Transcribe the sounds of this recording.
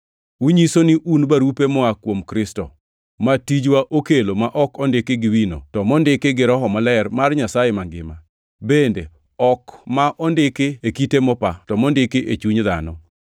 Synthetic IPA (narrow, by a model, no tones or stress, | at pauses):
uɲisonɪʔunbaɾupemɔakwomkɾɪstɔ̰ | matid͡ʒwaʔokelomaʔɔkɔndɪkeɡɪwino̰tɔmɔndɪkeɡɪɾɔɦɔmalɛrmarɲasajemaŋɡɪ̰ma | bende | ɔkmaʔɔndɪkeekitemɔpatɔmɔndɪkeʔet͡ʃuɲd̪a̰nɔ